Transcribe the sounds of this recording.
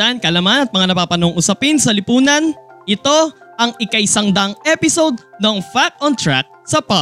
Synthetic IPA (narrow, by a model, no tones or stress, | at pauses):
ɐʔankɐʔlamanɐt̪̚mɐŋanɐpaːpɐnoŋʔʊsɐpɪnsɐlɪpuːnɐnʔɪt̪o̞ʔɐŋɪkɐjsɐŋd̪aŋʔɛpɪsowd̪̚noŋfak̚ɔnt̪ɹak̚sɐpa